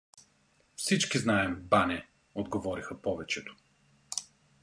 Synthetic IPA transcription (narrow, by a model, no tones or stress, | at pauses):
fsit͡ʃkiznaɛmbanɛ | od̪ɡovɔɾixɐpɔvɛt͡ʃɛt̪ʊ̥